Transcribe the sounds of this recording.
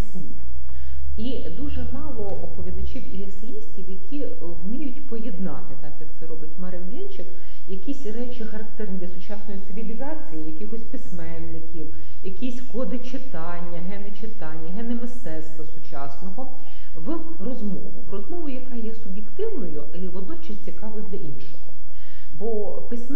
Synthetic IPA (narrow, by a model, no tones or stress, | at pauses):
sʲlʲit | i | d̪uʒɛmɑlˠɔɔpɔʋʲid̪ɐt͡ʃʲiwiɛsjisʲtʲiwjɐkʲi | wmʲijʊtʲpɔjɛd̪nɑ̰t̪ɪt̪ɑkjɐkt̪sɛɾɔbɪtʲmɐɾewbʲɛnʲt͡ʃɪk | jɐkʲisʲɾɛt͡ʃɪxɐɾɐkt̪ɛrnʲɪd̪lʲɐsʊt͡ʃɑsnɔjit̪sɪʋʲilʲizɑt͡sʲijijɐkʲɪxɔsʲpɪsmɛnːɪkʲiw | jɐkʲisʲkɔd̪ɪt͡ʃɪt̪ɑnʲːɐɦɛnet͡ʃɪt̪ɑnʲːɐɦɛnɪmɪst̪ɛt̪st̪ʋɐsʊt͡ʃɑsnɔɦɔ | ʋ | rɔzmɔ̰ʋʊ̰ʋrɔzmɔʋʊjɐkɑjɛsʊbʲjekt̪ɪwnɔjʊ | iʋɔd̪nɔt͡ʃɐsʲt͡sʲikɑʋʊjd̪ʲlʲɐʔinʃɔɦɔ̰ | bɔ | pɪsʲmɛ